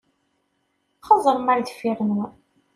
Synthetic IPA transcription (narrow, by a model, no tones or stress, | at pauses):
χɑzˤəɾˤmaɾd̪fiɾn